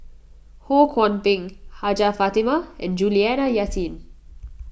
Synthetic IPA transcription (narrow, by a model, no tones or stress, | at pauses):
hokʰɔ̃npĩŋhad͡ʒafat̪imaʔɛ̰̃nd͡ʒuliɛnajatĩn